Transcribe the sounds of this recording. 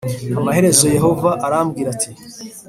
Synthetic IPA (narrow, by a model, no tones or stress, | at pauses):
hamaɦe̞ɾe̞zo̞je̞ɦo̞vaʔaɾamɡiːɾatʰi